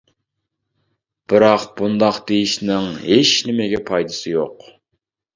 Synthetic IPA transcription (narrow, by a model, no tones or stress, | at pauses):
b̥ɨɾɑqbund̪ɑqd̪̥ejiʃnɪŋɦet͡ʃnɪmɪɡʲɛpʰɑjd̪ɨsɨjoq